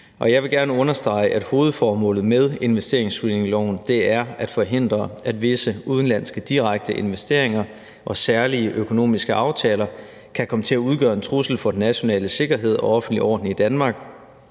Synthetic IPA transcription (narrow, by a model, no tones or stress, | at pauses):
ʔɒ̽jɑ̈ɪʋe̝ɡ̥æɐnəɔ̽nɐsd̥ʁɑ̈ɪʔæd̥ho̝ːð̞̩ˠfɒːmɔ̰̽ːlð̩ˠmeð̞ˠe̝nʋesd̥e̝ɐeŋsʁineŋlɒʊnd̥e̝æɐæd̥fɒ̽ɦe̝n̰d̥ʁɐæd̥ʋe̝səuð̞ˠən̩læn̰sɡ̥əd̥iʁaɡ̥̚d̥əʔe̝nʋesd̥e̝ɐ̰e̝ŋɐ | ʔɒ̽sæɐliəʔøkʰo̝no̝̰ːmisɡ̥əʔɑ̈ʊt͡sʰɛːlɐ | kʰækʰɒ̽mət͡sʰe̝læuð̞ˠɡ̥ɶɐe̝nt͡sʰʁusl̩fɒ̽d̥enæɕo̝nɛ̰ːləse̝ɡ̥ɐɦe̝ð̞̰ˠɒ̽ɒ̽fn̩̥liɒ̰ːd̥n̩id̥ænmɑ̈ːɡ̥